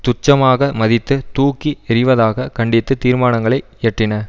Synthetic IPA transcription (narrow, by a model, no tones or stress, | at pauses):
t̪ʊt͡ʃːɐmaːɣɐmɐðɪt̪ːɯt̪uːkːiɛɾɪʋɐðaːɣɐkɐɳɖɪt̪ːɯt̪iːɾmaːnɐŋɡɐɭɐɪ | ɛʈrɪnɐ